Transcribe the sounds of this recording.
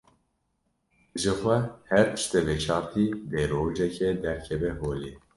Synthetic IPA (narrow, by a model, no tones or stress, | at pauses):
ʒɨxʷɛhɛɾt̪ʰɨ̥ʃt̪ɛvet͡ʃʰɑːɾt̪ʰid̪eɾoːd͡ʒɛkʰɛd̪ɛɾkʰɛvɛɦoːliː